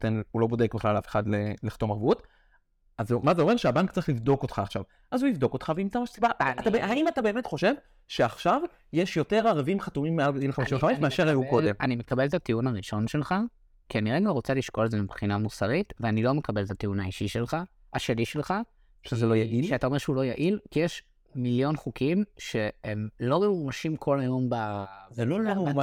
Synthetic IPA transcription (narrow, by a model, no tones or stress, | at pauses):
t̪enulo̞bo̞dekbeχlalafe̥χadleleχḁt̪o̞maʁvut | azmazeo̞meʃeabaŋktt͡saʁiχlivdo̞kot̪χaːχʃav | ʔazuivd̪o̞ko̞tχaveimt͡samaʃesibaaatabehaimatabe̞ːmet̪χo̞ʃe̞v | ʃeaχʃav | jeʃjo̞te̞ʁaʁavimχatumimːealileχabeʃivχamaifmeaʃeʁajukodemanime̞kabelet̪at̪iunaʁiʃo̞nʃe̞lχa | kianiʁeɡaʁo̞t͡saliʃko̞ledzemibχinamusaʁitveanilo̞me̞kabe̞letatiunaiʃiʃe̞lχa | aʃeliʃelχa | ʃezelojaiʃeataoʃeulo̞jaʔilkijeʃ | miljo̞nχukʰimʃe̞emlo̞uʁaʃimkʰo̞lajo̞mbaveloa